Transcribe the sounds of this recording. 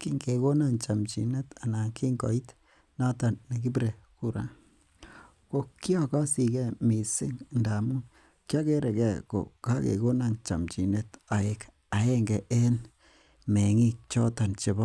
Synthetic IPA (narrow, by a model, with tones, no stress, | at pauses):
ki˦ŋɡe˨ko˦na˦nt͡ʃa˨mt͡ʃi˨ne˦ta˨na˨ki˦ŋɡɔ̰˨i˦t | na˦ta˨ne˨ɡi˦bɾe˨ | ku˦ɾa̰˨˦ | ko˨ki˦ɔ˦ka˦si˨kɛ˦mi˨sɪ˦ŋnda˨mu˦ | kja˦ke˦ɾe˨kɛ˦˨ko̰˨ka˦kḛ˨ko˦na˦˨nt͡ʃa̰˨mt͡ʃi˨ne˦ta˨e˨k | a˨e˦ŋɡɛ˨ʔe˦n | me˨ŋi˦k̚t͡ʃɔ˦ta˨nt͡ʃe˨bɔ˦